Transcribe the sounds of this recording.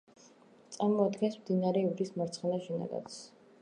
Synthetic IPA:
t̪sʼaɾmɔad̪ɡɛnsmd̪inaɾɛivɾismaɾt̪sʰχɛnaʃɛna̰ɡa̰t̪s

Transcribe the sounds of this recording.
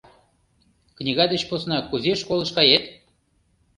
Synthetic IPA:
knʲiɣɑd̪et͡ɕposnɑkuzʲeʃkolɤ̆ʃkɑjet̪

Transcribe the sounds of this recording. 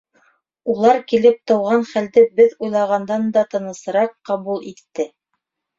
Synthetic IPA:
ulˠɑɾkilɘp̚t̪ɤ̆wʁɑnχæld̪ɘbɘðujlˠɑʁɑnd̪ɑnd̪ɑt̪ɤ̆nɤ̆sɤ̆ɾɑqːɑβulˠit̪ːɘ

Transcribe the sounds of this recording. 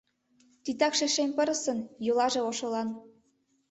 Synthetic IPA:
t̪it̪ɑkʃeʃemʲpɤ̆ɾɤ̆sɤ̆njulˠɑʒĕoʃɤ̆lɑn

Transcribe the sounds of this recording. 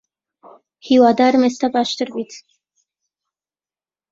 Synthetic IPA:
hiwad̪aːɾmest̪abaʃt̪əɾbit̪ʰ

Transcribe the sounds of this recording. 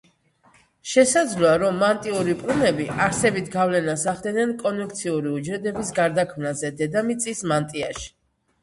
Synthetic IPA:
ʃɛsad̪zlɔaɾɔmːant̪ʼiuɾipʼlunɛbiʔaɾsɛbit̪ʰɡavlɛnasaχd̪ɛnɛnkʼɔnjuk̚t̪sʰiuɾiud͡ʒɾɛd̪ɛbisɡaɾd̪akʰmnazɛd̪ɛd̪amit̪sʼismant̪ʼia̰ʃi̥

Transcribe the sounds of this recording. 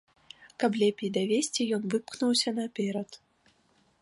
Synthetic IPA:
kɐplʲɛpʲijd̪ɐvʲesʲt͡sʲijɔnvɨpknuwsʲɐnɐpʲɛɾɐt̪

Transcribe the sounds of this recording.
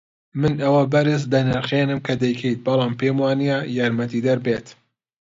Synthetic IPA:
mɨnɐwɐbɐɾɨsd̪ɐnɛɾxeːnɨmkʰɐd̪ɛjkʰejt̪̚bɐlˠɑːmpeːmwɑːnijajɑːɾmɐt̪id̪ɐɾbeːt̪

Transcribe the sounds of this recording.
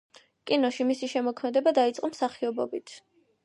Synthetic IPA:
kʼinɔʃimisiʃɛmɔkʰmɛd̪ɛbad̪ait̪sʼqʼɔmsaχiɔbɔbit̪ʰ

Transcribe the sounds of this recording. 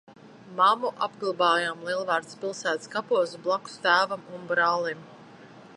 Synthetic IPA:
mamuʔabɡlˠbaːjamlˠiɛlˠvaːɾt̪spʲilˠsæːt̪skapuɔsblˠaku̥st̪æːvamunbɾɑːlˠim

